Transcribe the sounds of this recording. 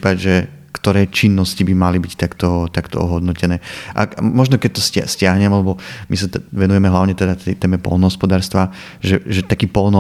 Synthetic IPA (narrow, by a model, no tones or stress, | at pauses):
paɟʒɛ | kt̪ɔɾɛːt͡ʃinːɔscibimalibict̪akt̪ɔt̪akt̪ɔ̰ɔ̰ɦɔd̪nɔcɛnɛːʔa̰amɔʒnɔkɛc̚t̪ɔsscɪaɦɲɛmalɛbɔmisaʋɛnujɛmɛɦlaʊɲɛt̪ɛd̪at̪ɛjt̪ɛːmɛpɔ̰lˠnɔɦɔspɔd̪aːɾst̪ʋa | ʒɛʒɛt̪akiːpɔlnɔ